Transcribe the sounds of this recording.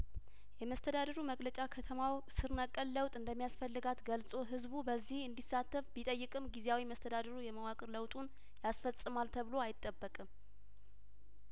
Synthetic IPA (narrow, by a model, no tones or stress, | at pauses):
jɛməst̪ʰəd̪ad̪əɾuməɡlət͡ʃʼakʰət̪ʰəmawsɨɾnəkʼːəlːəwt̪ʼɨnd̪əmːijasfəlːɨɡat̪ɡəlsʼo̞ɦɨzbubəzːihɨnd̪isːat̪ːəfbit̪ʼəjːɨkʼɨmɡizeawiməst̪ʰəd̪ad̪əɾujɛməwakʼɨɾləwt̪ʼun | jasfəsʼɨmalt̪ʰəβɨlo̞ajɪt̪ʼːəbːəkʼɨm